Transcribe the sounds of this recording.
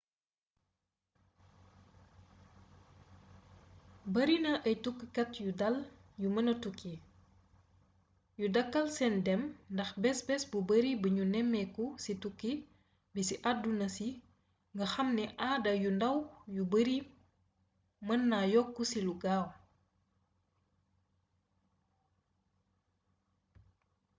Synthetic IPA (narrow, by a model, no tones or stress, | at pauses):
bɐɾinɐʔɐjtukːkɐtjudɐljumɐnɐtukːi | judɐkːɐlsɛndɛmndɐxbɛsbɛsbubɐɾibəɲunɛmːɛkusitukːi | bisiʔadunɐsi | ŋɡɐxɐmnɛʔaːdɐjundɐwjubəɾi | mɐnːajɔkːusiluɡaːw